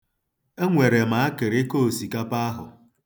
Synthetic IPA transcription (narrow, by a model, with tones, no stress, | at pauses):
e˦ŋʷe˨ɾe˨ma˨a˦kɪ˨ɾe˦ko˦˨si˨ka˦pa˦a˦ɦʊ̰˨